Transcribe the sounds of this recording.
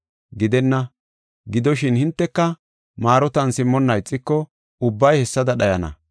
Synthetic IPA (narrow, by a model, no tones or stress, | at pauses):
ɡɪd̪ɛnːɐ | ɡɪd̪ɔʃɪnhɪnt̪ːɛkːɐ | maːɾɔt̪ɐnsɪmːɔnːɐjt͡sʼːɪkːɔ | ʊbːɐjhɛsːɐd̪ɐɗɐjɐnɐ̰